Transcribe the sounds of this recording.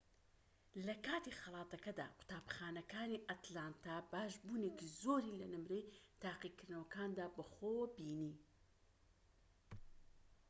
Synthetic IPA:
lɐkaːt̪ixɑlˠɑːt̪ɐkɐd̪a̰ːkʊ̥t̪aːbχaːnɐkaːniʔɐt̪laːnt̪abaːʒbuːnekizoːɾiːlɐnɨmɾejt̪ʰaːqikɨɾd̪nɐwɐkaːnd̪aːbɐχoːwbiːniː

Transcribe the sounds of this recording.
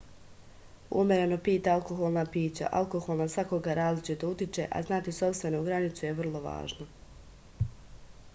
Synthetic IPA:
ṵmʲeɾeno̞piːt̪aalˠko̞xolˠnapiːt͡ɕa̰ʔa̰lˠkoxolˠnasʋakoɡaɾaːzlit͡ʃit̪out̪it͡ʃe̞̰ʔa̰znaːt̪iso̞pst̪e̞nouɡɾanit̪suje̞ʋr̩lˠo̞ʋa̰ːʒno

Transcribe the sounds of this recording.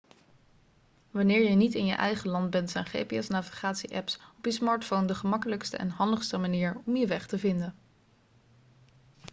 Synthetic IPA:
ʋɑnɪːɹjənitɪnjə̰ʔɛ̰jχəlɑnd̚bɛntsɛjnχḛːjpiɛsnaːviχaːtsiʔɛpsɔpjəsmɑːɹtfowndəχəmɑkələkstə̰ʔɛ̰nɦɑndəχstəmaniːɹɔmjəʋɛχtəvɪndən

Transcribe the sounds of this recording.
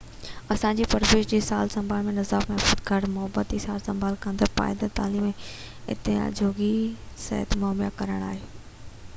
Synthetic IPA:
ɐsãɲd͡ʑiːpɐɾʋeːʃd͡ʑeːsaːlsɐ̃mbʱaːlmẽnɐzaːbmɐɦfuːd̪ɡʱɐɽmʊɦəbət̪isaːlsɐ̃mbʱaːlkə̃nd̪əpa̰ːɪd̪at̪aːliːmẽ | ɪ̰t̪ḛd͡ʑʱoːɡisɛ̰ɦət̪mɔːmija̰kɐɾəɽ̃a̰ːɦeː

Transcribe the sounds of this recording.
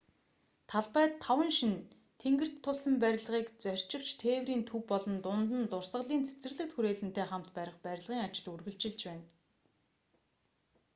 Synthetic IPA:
t̪ʰaɮpæːt̪ʰːawə̆nʃin | t̪ʰeŋɡɘ̆r̥tt̪ʰːʊsə̆mpæɾʲɪ̆ɮʁiːkt͡sœr̥ʲt͡ɕɪ̆kt͡ɕt̪ʰeːwɾiːnt̪ʰuwpɔɮɞ̆nt̪ʊnt̪ə̆nt̪ʊrsʁə̆ɮiːnt͡sʰe̥t͡sɘ̆rɮɘ̆k̚t̪xuɾeːɮɘ̆nt̪eːχam̥t̪pæɾʲɪ̆χpæɾʲɪ̆ɮʁiːŋat͡ɕɪ̆ɮurɣɘ̆ɮt͡ɕɪ̆ɮt͡ɕpæːn

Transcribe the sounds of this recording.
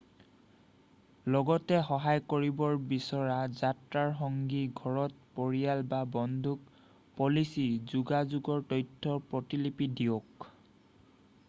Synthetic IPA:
lɔɡɔtɛxɔɦajkoɹibɔɹbisɔɹazatɹaɹxɔŋɡiɡʱɔɹɔt̚poɹijalbabɔndʱuk̚ | polisizuɡazuɡɔɹtɔjtʰːɔpɹɔtilipidiok

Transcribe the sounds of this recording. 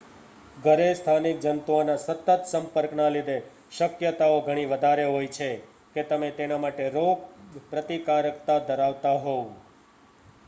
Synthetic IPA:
ɡʱəɾest̪ʰanik̚d͡ʒənt̪onãsət̪ːət̪səmpəɾknalid̪e | ʃəkjət̪aoɡʱəɽ̃ĩʋəd̪ʱaɾeɦojt͡ʃʰe | ket̪əmet̪enamaʈeɾoɡ̚pɾət̪ikaɾəkt̪ad̪ʱəɾaʋt̪aɦõ

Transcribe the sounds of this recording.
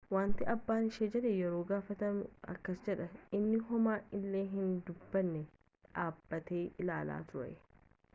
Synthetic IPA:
waːnt̪ɪɐbːaːnɪʃeːd͡ʒɛᶑejɛɾo̞ːɡaːfɐt̪ɐmʊɐ̰kːɐsd͡ʒɛᶑɐɪnːɪɦɔmaːʔɪlːeːɦɪnd̪ʊbːɐnːɛ | ᶑaːbːɐt̪eːʔɪlaːla̰ːt̪ʊʔɐ̰

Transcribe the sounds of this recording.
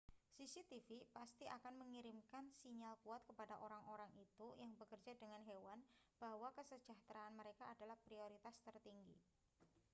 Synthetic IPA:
sisit̪ifipast̪iʔakanməŋiɾimkansiɲalkuat̪̚kəpadaʔoɾaŋoɾaŋit̪ujaŋbəkərd͡ʒadəŋanɦewanb̥ahwakəsə̥d͡ʒaht̪ɾaːnməɾekaːdalahpɾioɾit̪ast̪ərt̪iŋɡḭ

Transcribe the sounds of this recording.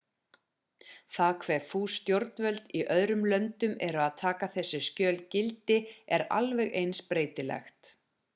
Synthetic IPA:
θaðkʰvɛfuːst̪jowɾt̪nvœlt̪iʔœðɾʏmlœnt̪ʏmɛɾʏaðt̪ʰaːkaθɛsːɪscœːlcɪlt̪ɪɛɾa̰lvɛɣejnspɾeːjt̪ɪlɛ̰xt̪

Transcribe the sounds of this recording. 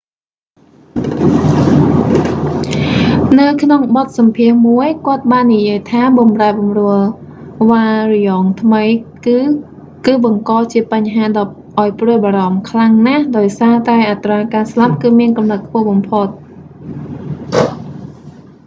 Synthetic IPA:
nɨwkʰnoŋɓɑt̪̚sɑmpʰiəhmuəjkŏət̪̚ɓaːnːijiəjt̪ʰaːɓɑmraɛɓɑmrʊəl | ʋaːrijɑːŋt̪ʰməj | kɨːɓɑŋkɑːt͡ɕiəpaɲɦaːɗɑ | ʔaɔjprɨəjɓaːɾɑmkʰlaŋnahɗaɔjsaːt̪aɛʔat̪raːkaːslap̚kɨːmiənkɑmnət̪̚kʰpʊ̆əhɓɑmpʰot̪̚

